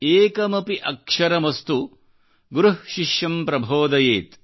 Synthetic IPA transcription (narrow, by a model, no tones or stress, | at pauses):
eːkɐmɐpiʔɐkʂɐɾɐmɐst̪u | ɡɾuɦʃiʃjɐmpɾɐbʱoːd̪ɐjeːt̪